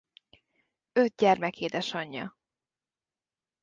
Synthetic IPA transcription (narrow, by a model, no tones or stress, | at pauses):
ø̞t̪̚ɟɛrmɛkeːd̪ɛʃɒɲːɒ̰